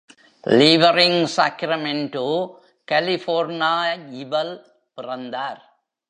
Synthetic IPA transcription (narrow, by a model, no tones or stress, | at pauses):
liːʋɐɾɪŋsa̰ːkɾɐmeɳʈoː | kɐlɪfoːɾnaːɪʋɐl | pɪrɐnd̪aːɾ